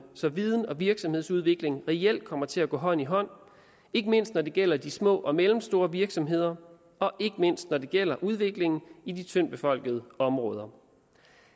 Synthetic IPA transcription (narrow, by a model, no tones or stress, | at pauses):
sɒ̽ʋið̞ˠn̩ɒ̽ʋiɐɡ̥sɒ̽mhe̝ð̞̰ˠsuð̞ˠʋe̝ɡ̥le̝ŋʁɛel̰d̥̚kʰɒ̽m̰ɐt͡sʰe̝æɡ̥ɔ̰̽ːɦɒ̽n̰iɦɒ̽n̰ | e̝ɡ̥əme̝n̰sd̥nɒd̥e̝ɡ̥el̰ɐd̥ismɔ̰̽ːʔɒ̽melm̩sd̥o̝ːɐʋiɐɡ̥sɒ̽mɦe̝ð̰ˠɐ | ɒ̽ʔe̝ɡ̥əme̝n̰sd̥nɒd̥e̝ɡ̥el̰ɐʔuð̞ˠʋe̝ɡ̥le̝ŋn̩id̥it͡sʰøn̰b̥e̝fɒ̽l̰ɡ̥əð̞ˠəɒ̽mʁɔ̽ːð̞ˠɐ